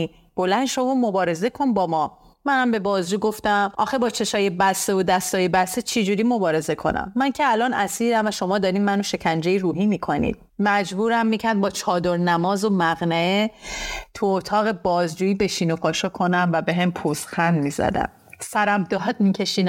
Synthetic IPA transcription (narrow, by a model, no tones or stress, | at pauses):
b̥o̞lænd̪ʃomumobɒːɾe̞ze̞kʰo̞nbɒːmɒː | mænæmbe̞bɒːzd͡ʒuːɡo̞ft̪æmʔɒ̰ːxebɒːt͡ʃʰe̞ʃɒːjebæsːeod̪æst̪ɒːjebæset͡ʃʰed͡ʒuːɾiːmo̞bɒːɾe̞ze̞kʰo̞̰næ̰mːæncʰeælɒːnæsiːɾæmvæʃo̞mɒːd̪ɒːɾiːnmænoʃe̞cʰænd͡ʒejiɾuːɦiːmiːkʰo̞nḭːd̪̥̚ | mæd͡ʒbuːɾæmːiːcʰæɾd̪̚bɒːt͡ʃʰɒːd̪oɾnæmɒːzomæɣnæet̪ʰuot̪ʰɒːɣe̞bɒːzd͡ʒuːiːbe̞ʃiːnopʰɒːʃɒkʰonæmvæbe̞ɦempʰust̪xænmiːzæ̰d̪æ̰m | sæɾæmd̪ɒɦd̪miːcʰeʃiːn